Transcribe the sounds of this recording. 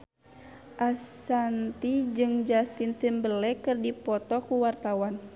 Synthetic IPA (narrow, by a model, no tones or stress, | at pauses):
ʔasant̪id͡ʒɨŋd͡ʒast̪int̪əmbəlɛkɨrdipɔt̪ɔkuwart̪awan